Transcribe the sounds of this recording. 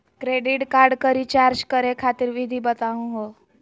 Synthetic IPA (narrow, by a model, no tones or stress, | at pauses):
kɾeɖiʈkaɾɖkəɾiːt͡ɕaɾd͡ʑkəɾekʰat̪iːɾʋid̪ʱiːbət̪aũɦo